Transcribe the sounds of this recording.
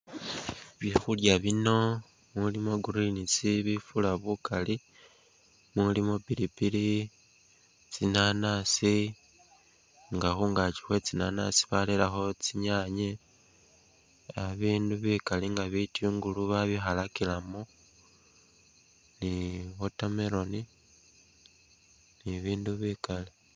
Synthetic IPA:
βjexuljaβino̞ | mulimo̞ɡuɾinit͡siβifulaβukali | mulimo̞piɾipili | t͡sinanasi | ŋɡaxuŋɡat͡ʃi̥xwe̞t͡sinana̰si̥βalelaxo̞t͡siɲaɲe | aβiːnduβikaliŋɡaβitiːŋɡuluβaβixalakilamo | niβotameɾo̞ni | niβiːnduβikali

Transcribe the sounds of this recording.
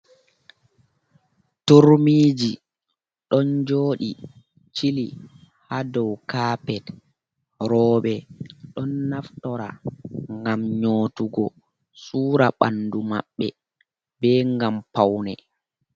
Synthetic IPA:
tuɾmiːd͡ʒi | ɗɔnd͡ʒoːɗi | t͡ʃili | hadɔwkaːpɛt | ɾɔːɓɛɗɔnːaftɔɾa̰ŋɡamɲoːtuɡɔ | suːɾaɓa̰nːduma̰ɓːɛ̰ | bɛːŋɡampawnɛ̰

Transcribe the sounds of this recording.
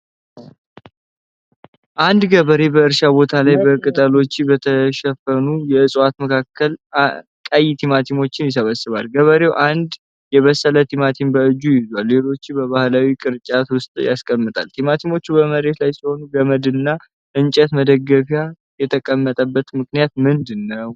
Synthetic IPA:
ʔand̪ɡəβəɾe̞bəɨɾʃabo̞t̪ʰalajbəkʼɨt̪ʼəlo̞t͡ʃːibət̪ʰəʃɛfənujɛɨsʼat̪məkʰakʰːəl | kʼajt̪ʰimat̪ʰimo̞t͡ʃːɪnjɪs̬əβəsːɨβa̰lɡəβəɾe̞wʔand̪ | jɛβəsːələt̪ʰimat̪ʰimbəɨd͡ʒːujɪzwalːe̞lo̞t͡ʃːɪbəβahlawikʼɨɾt͡ʃʼat̪wʊst̪ʼja̰skʼəmːɨt̪ʼa̰lt̪ʰimat̪ʰimo̞t͡ʃːubəməɾe̞t̪lajsiho̞nuɡəməd̪ɨnːa | ʔɨnt͡ʃʼɛt̪məd̪əɡːəfja | jɛt̪ʰəkʼəmːət̪ʼəbːət̪mɨknijat̪mɨnd̪ɨnːəw

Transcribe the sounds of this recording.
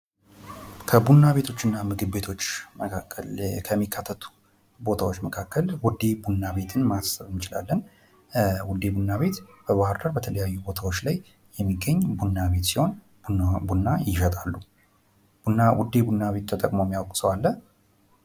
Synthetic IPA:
kʰəbunːaβe̞t̪ʰo̞t͡ʃːɨnːamɨɡɨβːe̞t̪ʰo̞t͡ʃːməkʰaəlkʰəmːikʰːat̪ʰːət̪ʰu̥ | bo̞t̪ʰawot͡ʃːməkʰakːəlwʊd̪e̞bunːaβe̞t̪ʰɨnmasəβɨnt͡ʃɪla̰lːən | wʊd̪e̞bunːaβe̞t̪b̥əβahɨɾd̪əɾbət̪ʰələjajːubo̞t̪ʰawo̞t͡ʃːlaj | jɛmːiɡːəɲːbunːaβe̞t̪siho̞n | bunːajɪʃət̪ʼalːu | nawud̪ebunːaβe̞t̪̚t̪ʰət̪ʼəkʼmomːiawkʼsəwalːə

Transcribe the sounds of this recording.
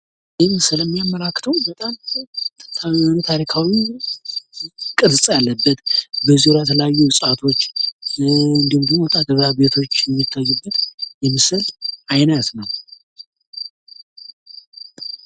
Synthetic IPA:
ʔɪmsɨləmːijamːəlakːt̪ʰəwbət̪ʼam | nt̪ʰaɾikʰawi | kʼɨɾsʼjalːəbːət̪bəziɾajt̪ʰələjajːuwʊsʼat̪ʰo̞t͡ʃː | ɨnd̪əmɡinːowt̪ʼad̪əβabe̞t̪ʰo̞t͡ʃːjɛmːit̪ʰːajːubːət̪jɛmɨsəlʔajnət̪nəw

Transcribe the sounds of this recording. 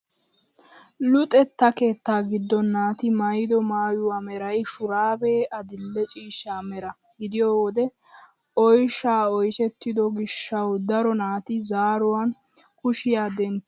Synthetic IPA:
lʊt̪ʼɛt̪ːɐke̞ːt̪ːaːɡɪd̪ːɔnːaːt̪ɪmɐjd̪ɔmaːjʊwaːmɛɾɐjʃʊɾaːbeːʔɐd̪ɪlːɛt͡ʃʼiːʃːaːmɛɾɐ | ɡɪd̪ɪjoːwɔd̪ɛ | ɔjʃaːɔjʃɛt̪ːɪd̪ɔɡɪʃːɐwd̪ɐɾɔnaːt̪ɪzaːɾʊwan | kʊʃɪjaːd̪ɛn

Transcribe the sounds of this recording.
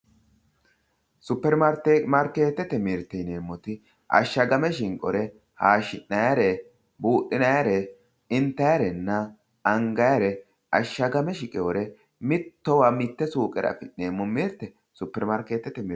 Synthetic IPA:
sʊpːɛɾmaɾtːmɐɾkeːt̪ːɛt̪ːɛmɪɾt̪ːɛjne̞ːmːɔt̪ɪ | ɐ̰ʃːɐɡɐmɛʃɪŋkʼɔ̰ɾɛ | haːʃɪnːɐjɐɾɛ | buːʔːɪnɐjaɾɛ | ɪnt̪ːɐjɐɾɛnːɐ | ɐŋɡɐjɐɾɛ | ɐʃːɐɡɐmɛʃɪkʼɛwɔɾɛ | mɪt̪ːɔwɐmɪt̪ːɛsuːkʼɛɾɐ̰fɪneːmːɔmɪɾt̪ːɛ | sʊpːɛɾmɐɾkeːt̪ːɛt̪ɛm

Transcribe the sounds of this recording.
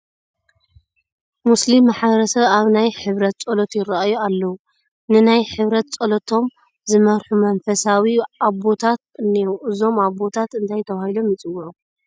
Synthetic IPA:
muslimːaħβɐɾɐsɐβaβnajħɨβɾɐt̪̚t͡sʼolot̪jɪraajualːɐwu | nɨnajħɨβɾɐt̪̚t͡sʼolot̪ʰo̞m | zɨmɐɾħumɐnfɐsawiaβbo̞t̪ʰat̪̚ɨnːiuʔɨzo̞maβbo̞t̪ʰat̪ɨnt̪ʰajt̪ʰɐβahilo̞mjɪt͡sʼɨwːuʕu

